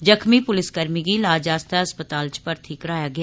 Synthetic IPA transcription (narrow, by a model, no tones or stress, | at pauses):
d͡ʒɐkʰmipʊlɪsɡəɾmikilaːd͡ʒaːst̪aɐspət̪aːlt͡ʃpɐɾt̪ʰiːkɾaːjaɡɐja